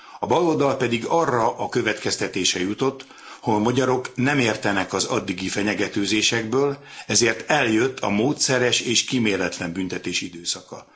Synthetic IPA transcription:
ɒbɒlold̪ɒlpɛd̪iɡɒrːɒʔɒkø̞vɛt̪kɛst̪ɛt̪eːʃɛjut̪o̞t̪ː | homɒɟɒɾo̞knɛmeːrt̪ɛnɛkɒzɒd̪ːiɡifɛɲɛɡɛt̪øːzeːʃɛɡbøːlɛzeːrt̪ɛljø̞t̪ʰːɒ̰moːt̪sɛɾɛʃeːʃkimeːlɛt̪lɛmbynt̪ɛt̪eːʃid̪øːsɒkɒ̰

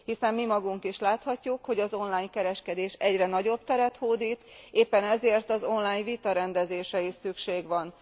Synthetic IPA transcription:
hisɛmːimɒɡuŋkiʃlaːt̪hɒcːukho̞ɟɒzo̞nlaːɲkɛɾɛʃkɛd̪eːʃɛɟrɛnɒɟo̞b̚t̪ɛɾɛt̪hoːd̪iːt̪eːpːɛnɛzeːrt̪ɒzo̞nlaːɲvit̪ɒɾɛnd̪ɛzeːʃɛjisykʃeːɡʋɒn

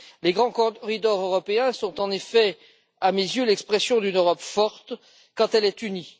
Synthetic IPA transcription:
leɡʁɑ̃kɔʁid̪ɔʁøʁɔpeɛ̃sɔ̃t̪ɑ̃nefɛ | amezjølɛkspχɛsjɔ̃d̪ynøʁɔpfɔʁt̪ | kɑ̃t̪ɛlɛt̪yni

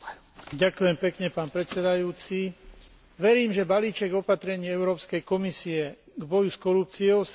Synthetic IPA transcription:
ɟakujɛmpɛkɲɛpaːnpɾɛt̪sɛd̪ajuːt͡si | ʋɛɾiːmʒɛbaliːt͡ʃɛɡɔpat̪ɾɛɲiːɛʊɾɔːpskɛjkɔmisiɛɡbɔjuskɔɾup̚t͡siɔʊs

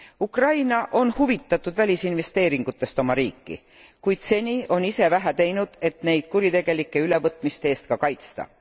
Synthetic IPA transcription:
ukrɑjnɑʔo̞nhuvit̪ˑːɑt̪ːˑud̪̥vælʲisinve̞st̪e̞ːɾiŋɡ̥ut̪ːˑe̞st̪o̞mɑɾiːkːḭ | kujd̪̥se̞nʲiːʔo̞nise̞væɦæt̪e̞jnud̪̥e̞t̪ne̞jd̪̥̚kuɾit̪e̞ɡ̥e̞likːˑe̞yle̞vɤt̪ːˑmist̪eeːst̪̚kɑkɑjt̪st̪ɑ̰

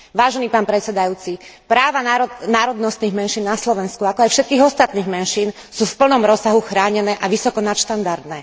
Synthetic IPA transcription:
ʋaːʒɛniːpaːnpɾɛtt͡ssɛd̪ajuːt͡sipɾaːʋaanaːɾɔd̪nɔst̪niːɣmɛnʃiːnːaslɔʋɛnskuakɔajfʃɛt̪̚kiːɣɔst̪at̪niːɣmɛnʃiːn | suːfpl̩nɔmɾɔsːaɦuxɾaːɲɛnɛːʔaʋisɔkɔnat̪ʃt̪and̪aɾd̪nɛː

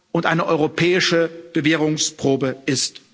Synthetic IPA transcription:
ʔʊntʔaɪnəʔɔʏʁopʰɛːɪʃəb̥əveːʁʊŋspʁ̥oːbəʔɪst

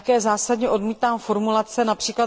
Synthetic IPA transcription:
kɛːzaːsadɲɛʔo̞dmiːt̪aːmfo̞ɾmulat͡sɛnapr̥iːkla

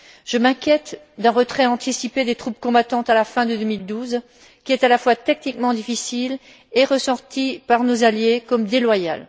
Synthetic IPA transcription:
ʒ̥əmɛ̃kʲjɛt̪ | d̪ɛ̃ʁət̪χɛɑ̃t̪isiped̪et̪χupkɔ̃bat̪ɑ̃t̪alafɛ̃d̪əd̪əmild̪uz | kʲiɛt̪alafwat̪ɛk̚nikmɑ̃d̪ifisil | eʁəsɑ̃ʁt̪ipaʁnozaljekɔmd̪elwaja̰l

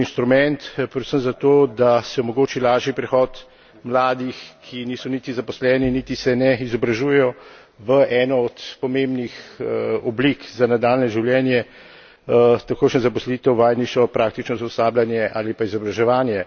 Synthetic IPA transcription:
inʃt̪ɾumɛnt̪pɾɛd̪səmzat̪oːd̪asɛɔmɔɡoːt͡ʃilaːʒipɾɛxɔːt̪ | mlaːd̪ixkʰiniːsɔnit̪izapɔslɛːninit̪isɛnɛizɔbɾaʒuːjɛjɔ | ʋəʔɛːnɔɔt̪pɔmembnixɔblikzanad̪aːlnɛʒiwljɛːnjɛ | t̪akoːʃnɛzapɔsliːt̪ɛwʋaːjniʃt͡ʃɔpɾaːk̚t̪it͡ʃnɔzɔsaːblanjɛʔalipaizɔbɾaʒɛʋaːnjɛ

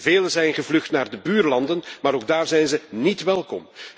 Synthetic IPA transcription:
veːlənzɛjnχəvlɵχtnaːrdəbyːrlɑndənmaːɾoɡ̚daːrzɛjnzənitʋɛlˠkɔm

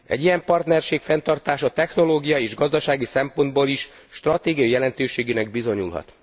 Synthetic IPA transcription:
ɛ̰ɟːijɛmpɒrt̪nɛrʃeːkfɛnt̪ɒrt̪aːʃɒt̪ɛxno̞loːɡijɒeːʒɡɒzd̪ɒʃaːɡisɛmpo̞nd̪boːliʃ | ʃt̪rɒt̪eːɡijɒjɛlɛnt̪øːʃeːɡeːnɛɡ̚bizo̞ɲṵlɦɒ̰t̪

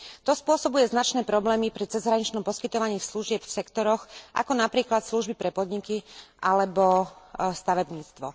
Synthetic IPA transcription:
t̪ɔspʊɔsɔbujɛznat͡ʃnɛːpɾɔblɛːmipɾit͡sɛzɦɾaɲit͡ʃnɔmpɔskit̪ɔʋaɲɪiːsluʒɪɛpfsɛkt̪ɔɾɔxʔa̰kɔnapɾiːklat̪sluʒbipɾɛpɔd̪ɲikiʔalɛbɔst̪aʋɛbɲiːt͡st̪ʋɔ

